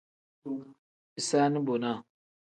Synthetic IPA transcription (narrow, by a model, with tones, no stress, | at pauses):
i˦sa˦ni˦bo˨na˦˨